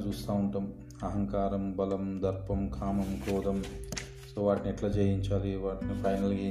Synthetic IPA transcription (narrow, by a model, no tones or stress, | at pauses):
t͡ʃuːst̪aːuɳʈaːm | ɐɦɐŋkaːɾɐmbɐlɐmd̪ɐɾpɐmkʰaːmɐmkɔːd̪ɐm | soːʋaːʈniɛʈlaːd͡ʒejiɲt͡ʃaːliʋaːʈnipʰɐjnɐlɡe